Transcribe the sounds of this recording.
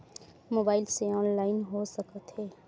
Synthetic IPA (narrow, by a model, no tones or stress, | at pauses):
moːbaːɪlseɔːnlaːɪnɦosəkət̪ɦeː